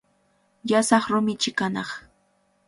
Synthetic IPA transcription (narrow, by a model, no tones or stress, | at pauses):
jasɑχɾʊmɪt͡ʃɪkanɑχ